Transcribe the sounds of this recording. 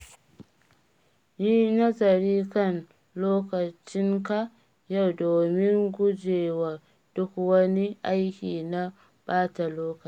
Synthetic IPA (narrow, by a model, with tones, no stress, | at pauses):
niː˦nɐ˦zɐ˨ɾiː˦kɐ˦˨n | loː˦kɐ˨t͡ʃɪ˦ŋka˦ | ja˦˨wdoː˨mɪ˦ŋɡʷʊ˦d͡ʒeː˨wa˨ | d̥ʊ˦kwɐ˦ni˦ʔa˦jkʲiː˨na˦ | b̥aː˦ta˨loː˦kɐ˨˦